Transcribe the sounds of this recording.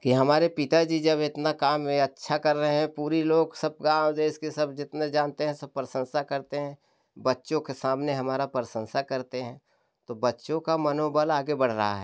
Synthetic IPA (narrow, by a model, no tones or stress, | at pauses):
kiɦɐmaːɾepɪt̪ad͡ʒid͡ʒɐbɪt̪nakaːmẽɐtːʃʰakɐɾːəɦeɦɛ̃puːɾeloːɡsɐb̚ɡãːd̪eːʃkesɐbd͡ʒɪt̪ned͡ʒaːnt̪eɦɛ̃sɐb̚pɾəsə̃nsakɐɾt̪eɦɛ̃ | bɐtːʃõkesaːmneɦɐmaːɾapɾɪsə̃nsakɐɾt̪eɦɛ̃ | t̪obɐtːʃõkamɐnoːbəlaːɡebɐɽ̤ɾəɦa̰ɦɛ̰